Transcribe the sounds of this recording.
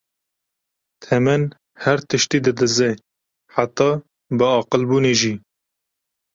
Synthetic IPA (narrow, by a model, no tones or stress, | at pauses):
t̪ʰɛmɛn | hæɾt̪ɨʃt̪iːd̪ɨd̪ɨzɛ | ħat̪ːɑː | bəɑːqəlbuːneʒiː